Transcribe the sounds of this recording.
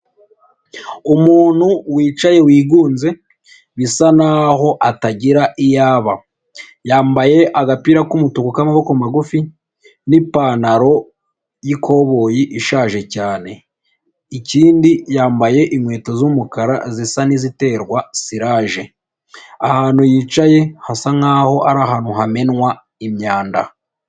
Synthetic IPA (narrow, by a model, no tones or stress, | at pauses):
umuːn̥huwiːt͡ʃaje̞wiːɡuːnze̞ | βisanaho̞ʔataɟiɾaʔijaːβa | jaːmbaje̞ʔaɡapiɾakumutukukamaβo̞komaɡufi | nipaːnaɾo̞ | jikʰo̞βo̞ːjiʔiʃaːʒe̞caːne̞ | iciːndijaːmbaje̞ʔiŋwe̞ːtozumukaɾa̰zisanizite̞ːɾɡwasiɾaːʒe̞ | ahaːn̥hujiːt͡ʃaje̞hasaŋhaːho̞ʔaɾaɦaːn̥uɦame̞nwa | imɲaːnda̰